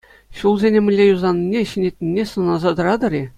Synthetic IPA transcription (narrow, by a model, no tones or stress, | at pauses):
ɕulˠzʲenʲemʲɘ̆lʲːejuzɑnʲːinʲːeɕɘ̆nʲet̪ʲnʲinʲːesɤ̆nɑzɑd̪ɤ̆ɾɑd̪ɤ̆ɾʲi